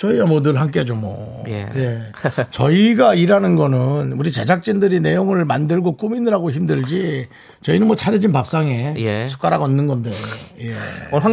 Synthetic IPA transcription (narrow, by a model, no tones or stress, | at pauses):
t͡ɕʌiɡamʌnɯɭɦamk͈ed͡ʑomʌ̰j̰je̞ | t͡ɕʌiɡaiɾanɯnɡʌnɯnuɾit͡ɕad͡ʑak̚t͡ɕ͈indɯɾine̞joŋɯɭmandɯɭɡok͈uminɯɾaɡoçimdɯɭd͡ʑi | t͡ɕʌinɯnmwʌt͡ɕʰaɾed͡ʑinpap̚s͈aŋe̞jsʰu̥k͈aɾaɡʌnːɯnɡʌndejoje̞̰